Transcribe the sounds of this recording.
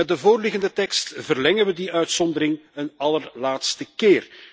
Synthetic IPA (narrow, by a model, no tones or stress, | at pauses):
ɛdəvoːrlɪɣəndətɛkstvərlɛŋənʋədiʔœɥtsɔnd̪əɾɪŋənɑlərlaːtstəkɪːr